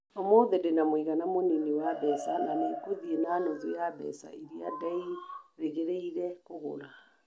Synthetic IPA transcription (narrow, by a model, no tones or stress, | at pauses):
ɔmɔðɛdenamwiɣanamoneniwabɛsananekoðienanozujabɛ̰sa̰iɾia̰dɛiɾeɣeɾeiɾɛkoɣo̰la